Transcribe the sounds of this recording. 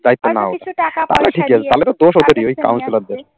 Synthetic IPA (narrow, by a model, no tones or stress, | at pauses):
d̪ajt̪ːonao̰ʈʰat̪a̰leʈʰikiat͡ɕʰet̪alet̪od̪oʃot̪eɾiojka̰wnsilad̪eɾ